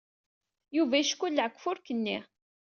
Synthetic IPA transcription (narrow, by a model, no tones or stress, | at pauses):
juvæʃkːulːʕəkʷːfʊɾkənːi